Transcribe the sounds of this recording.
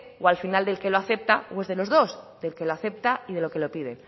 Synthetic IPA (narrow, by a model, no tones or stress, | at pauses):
walfinald̪e̞lke̞lo̞aθe̞p̚t̪aoe̞zð̞e̞lo̞zðo̞sd̪e̞lkeloaθe̞p̚t̪aiðe̞lo̞ke̞lo̞piðe̞